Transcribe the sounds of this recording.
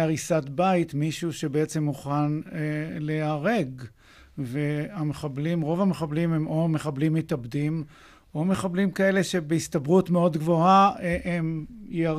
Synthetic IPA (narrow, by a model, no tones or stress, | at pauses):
aʁisatbait̪miʃuʃe̞beet͡se̞mːuχaneleaʁe̞ɡ | veameχablimʁovameχablimhemo̞me̞χablimːetabdim | ʔo̞me̞χablimkae̞le̞ʃe̞beistabʁutmeo̞dɡvo̞aʔemjea